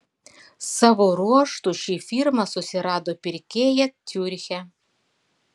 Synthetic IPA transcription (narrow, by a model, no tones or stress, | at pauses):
sɑːʋoːɾuɔʃt̪uˑʃʲiːfʲiɾmɐsʊsʲɪɾɑːd̪oːpʲɪɾʲkʲeːjɛt̪ʲuɾʲxʲɛ